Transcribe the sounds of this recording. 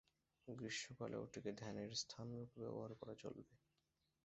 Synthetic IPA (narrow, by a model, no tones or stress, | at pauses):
ɡɾiʃːoka̰lḛo̰ʈiked̪ʱɛneɾst̪ʰanɾukbḛo̰bʱaɾkɔɾat͡ɕo̰lbe